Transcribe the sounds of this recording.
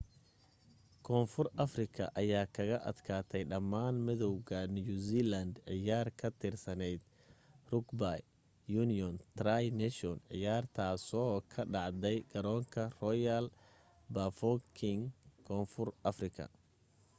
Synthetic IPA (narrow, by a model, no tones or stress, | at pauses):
kʰɔːnfʊrʔɐfrɪkʰɐ̰ʔɐjaːkʰɐɣɐʔɐd̪kʰaːt̪ʰɛjɖɐmːaːnmɪðɔwɣɐnjuziːlɐnd̪ʕɪjaːrkʰɐt̪ʰɪrsɐnɛjd̪ | rʊɡbaj | junɪjɔnt̪rajnɛʃɔnʕɪ̰jaːrt̪ʰaːsɔkʰɐɖɑʕd̪ɛjɡ̥ɐɾɔːŋkʰɐrɔjɐl | bafɔkʰɪŋkʰɔːnfʊrʔɐfrɪkʰɐ̰